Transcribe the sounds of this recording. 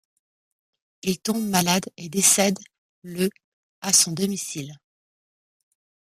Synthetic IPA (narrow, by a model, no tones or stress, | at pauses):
ilt̪ɔ̃bmalad̪ed̪esɛd̪ | lə | asɔ̃d̪ɔmisil